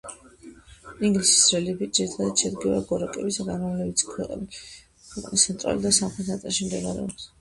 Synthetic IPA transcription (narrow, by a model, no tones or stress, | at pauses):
iŋɡlisi̥sɾɛlibid͡ʒiɾt̪ʰad̪at̪ʃɛd̪ɡivaɡɔɾakʼɛbisaɡanmavlɛbit̪sʰkʰwɛqʼni | kʰʼuqʼnisat̪ʼa̰lid̪asamχlɛt̪at̪ʼɛʃimd̪ɛɡaɾɛ̰ɔps